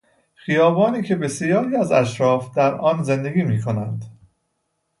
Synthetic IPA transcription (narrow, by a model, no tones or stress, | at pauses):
xijɒːbɒːniːcʰe̞be̞sijɒːɾiːæzæʃɾɒːfd̪æɾɒːnze̞nd̪e̞ɡiːmiːkʰo̞nænd̪̥